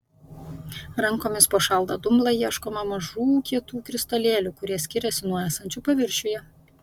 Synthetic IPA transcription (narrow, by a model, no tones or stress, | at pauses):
ɾɐŋkoːmʲɪspoːʃɐlˠd̪ɐd̪ʊmlˠɐjiɛʃkoːmɐmɐʒuːkʲiɛt̪uːkɾʲɪst̪ɐlʲeːlʲʊkʊɾʲiɛsʲkʲɪɾʲɛsʲɪnuɔæːsɐnʲt͡ʃʲʊpɐʋʲɪɾʲʃʲʊjɛ